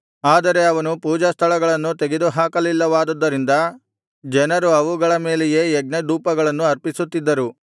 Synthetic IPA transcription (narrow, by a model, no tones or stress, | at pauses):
aːd̪ɐɾe̞ɐʋɐnupuːd͡ʒɐst̪ʰɐɭɐɡɐɭɐnːut̪eɡed̪uɦaːkɐlilːɐʋaːd̪od̪ːɐɾind̪ɐ | d͡ʒɛnɐɾuɐʋuɡɐɭɐme̞ːlɛje̞ːɡnɐɖ̪uːpɐɡɐɭɐnːuɐɾpisut̪ːid̪ːɐɾu